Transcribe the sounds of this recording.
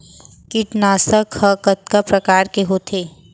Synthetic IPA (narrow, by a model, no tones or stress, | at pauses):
kɪʈnaːsəkhɐkət̪̚kapɾɐkaːɾkeɦoːt̪ʰeː